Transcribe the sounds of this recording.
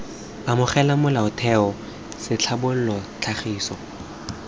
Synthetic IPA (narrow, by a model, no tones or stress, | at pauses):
amʊχɛlamʊlaʊtʰɛɔ | sɪt͡ɬʰabʊl̩lɔt͡ɬʰaχiːsɔ